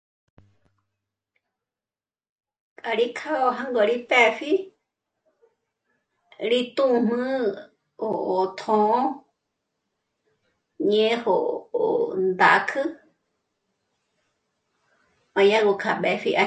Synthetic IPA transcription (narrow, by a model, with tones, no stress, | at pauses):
kʼa˧ɾi˦kʰa˦o˧ɦã˦ŋɡo˧˨ɾi˦pɛ˧˨fi˦ | ɾi˧t̪ũ˦˧mɨ̃˦ | o˨o˨t̪ʰõ˧˦ | ɲẽ˦ho˧o̰˨nd̪a˨˦kʰɨ˦ | mã˧jã˦ɡo˧kʰa˨ɓɛ˧fi˧ʔa˧